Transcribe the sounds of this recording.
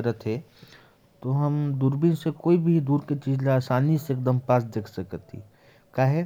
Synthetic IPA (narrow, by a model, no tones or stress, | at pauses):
əɾət̪ɦɛ | t̪oɦəmd̪uːɾbinsekoːibʱid̪uːɾket͡ʃiːd͡ʒlaaːsaːniseeːk̚d̪əmpaːs̬d̪eːkʰsəkət̪ɦḭ | kaːɦɛ